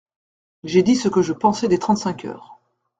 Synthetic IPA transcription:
ʒed̪isəkəʒəpɑ̃sɛd̪et̪χɑ̃t̪sɛ̃kʰœ̰ːʁ

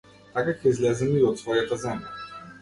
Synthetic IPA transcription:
t̪akakɛizlɛzɛmiɔt̪svɔjat̪azɛmja̰

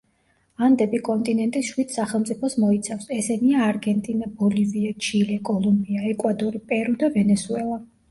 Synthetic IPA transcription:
and̪ɛbikʼɔnt̪ʼinɛnt̪ʼiʃwid̪̥saχɛlˠmt̪sʼipʰɔsmɔit̪sʰafsɛsɛniaːɾɡɛnt̪ʼinabɔliviat͡ʃʰilɛkʼɔlˠumbiaɛkʼwad̪ɔɾipʼɛɾud̪avɛnɛsuɛlˠa

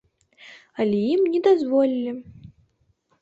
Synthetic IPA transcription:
ɐlʲɛjimnʲɛd̪azvɔlʲilʲi

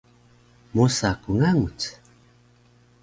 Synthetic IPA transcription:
musakuŋaŋut͡s

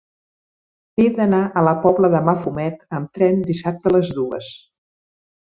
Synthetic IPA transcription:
ed̪ənaʔələpɔβləðəmafumɛt̪əmt̪ɾɛnd̪isap̚t̪ələzðuə̰s

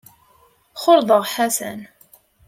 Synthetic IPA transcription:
χʊɾðˤəʁħasæ̰n

